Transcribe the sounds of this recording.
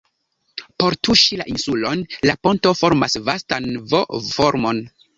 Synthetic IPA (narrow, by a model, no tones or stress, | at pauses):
po̞ɾtuʃila̰ʔinsulo̞nlapo̞nto̞fo̞ɾmasvastanvofoɾmo̞n